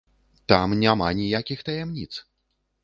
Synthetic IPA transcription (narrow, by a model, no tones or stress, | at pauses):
t̪amnʲamanʲijakʲixt̪ɐjɛmnʲit̪s